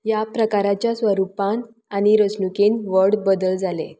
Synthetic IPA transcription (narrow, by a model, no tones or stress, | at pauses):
japɾəkaɾat͡ɕjasʋəɾupãn | añiɾəsnukenʋəɾɽbəd̪əld͡zale